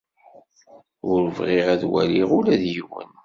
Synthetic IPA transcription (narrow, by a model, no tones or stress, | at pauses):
ʊɾvʁiʁæðwæ̰liʁʊlæðjiwə̰n